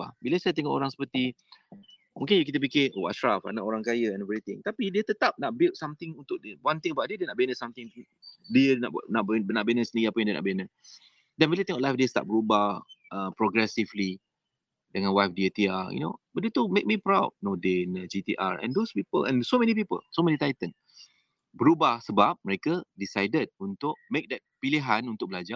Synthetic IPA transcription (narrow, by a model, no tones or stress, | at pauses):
a̰biləsajət̪ẽŋɔʔo̰ɾãŋsə̥pət̪i | mũŋkɪnjukit̪əp̬ikɪʔoa̰ʃɹafa̰naʔoɾãŋkajəɛ̃nɛvɾit̪ɪ̃ŋt̪apidiət̪ət̪ap̚naʔ̚bɪltsamt̪ɪ̃ŋunt̪ʊk̚dwãnt̪ɪ̃ŋəbaʔ̚diədiənaʔbenəsamt̪ɪ̃ŋ | diənnaʔbnaʔbenəsəniɡiapəj̃ŋdiənʔa̰ʔbenə | dɛ̃nwilət̪eŋɔʔlajfdiəst̪a̰t̪̚bəɾubaʔəpɹɔɡɾɛsivli | dəŋãnwajfdiet̪iajṵno̰baʔ̚diət̪umek̚mipɹawd̚nodenəd͡ʒit̪iʔa̰ɹɛ̰̃ndospipə̰lʔɛ̰̃nsomɛ̃nipipə̰lsomɛ̃nit̪ajt̪ən | bəɾubahsəbap̚məɹekədisajdəd̚ũnt̪ʊʔ̚mek̚dɛt̚piliɦãnunt̪ʊk̚bəlad͡ʒa